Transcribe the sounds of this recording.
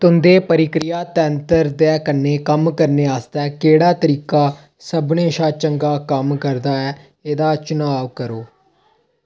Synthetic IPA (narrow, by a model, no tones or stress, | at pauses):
t̪ʊnd̪eːpəɾɪkɾɪjaːt̪ɛːənt̪əɾd̪ɛːkəneːkəmkəɾneːaːst̪ɛːkeːɽaːt̪əɾiːkaː | səbneːʃaːt͡ʃəŋɡaːkəmkəɾd̪aːɛː | eːd̪aːt͡ʃʊnaːʋkəɾoː